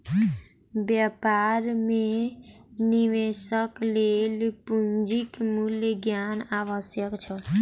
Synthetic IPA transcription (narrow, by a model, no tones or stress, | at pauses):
bjəpaɾme | niʋesəklelpund͡ʒikmuljɡjanaʋəsjəkt͡ʃʰəl